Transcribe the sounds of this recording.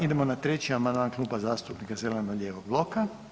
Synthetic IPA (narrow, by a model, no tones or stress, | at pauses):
id̪e̞mo̞nat̪ɾe̞t͡ɕiamand̪maːnklˠuːbazaːst̪upnikazelenoɡlʎeːʋoɡ̚blˠo̞ka